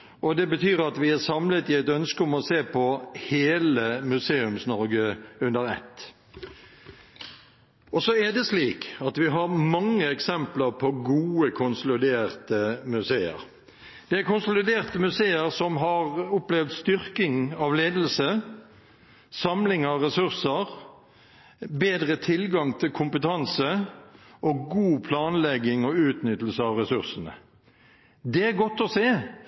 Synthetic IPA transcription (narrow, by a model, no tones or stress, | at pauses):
ʔɔd̪ɛbət̪ʰyːɾɑt̪ʋɪæsɑmlət̪ɪæɪt̪œnskəʊmɔseːpʰɔheːləmʉseːʉmsnɔɾɡəʉnd̪əɾɛ̰t̪ː | ɔsɔɛd̪ɛsliːkɑt̪ʋɪɦɑɾmɑŋːəɛksɛmpləɾpʰɔɡuːəkʰʊnsɔlɪd̪eːɾt̪əmʉseːə̰ɾ | d̪̥ɛæɾkʊnsɔlɪd̪eːʁt̪əmʉseːəʁsɔmɦɑʁʊplɛʋd̪st̪ʏʁkɪŋɑʋleːd̪l̩sə | sɑmlɪŋɑʋʁɛsʉʁsəʁ | beːd̪ʁət̪ʰɪlɡɑŋt̪ʰɪlkʰʊmpət̪ʰɑnsə | ʔɔɡuːpʰlɑːnlɛɡɪŋɔʉːt̪nʏt̪ːəlsəɑʋʁɛsʉʁsənə̰ | d̪ɛæɾɡɔt̪ːɔseː